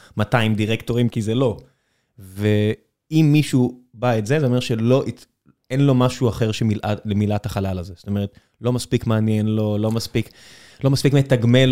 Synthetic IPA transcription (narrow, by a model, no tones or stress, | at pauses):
mataimdiʁekto̞ʁimkizelo̞ | ve | imːiʃubaetzezeome̞ʁʃelo̞ʔi | enlo̞maʃuaχe̞ʁʃemilʔalemilataχalalazeso̥t̪o̞meʁet | lo̞maspikmaanjenlo̞lo̞maspik | lo̞maspikmetaɡme